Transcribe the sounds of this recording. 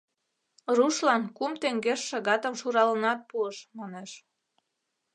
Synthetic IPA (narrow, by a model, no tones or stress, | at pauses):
ruʃlɑnkumt̪eŋɡeʃːɑɣɑt̪əmʃuɾɑlənɑt̪̚puəʃmɑneʃ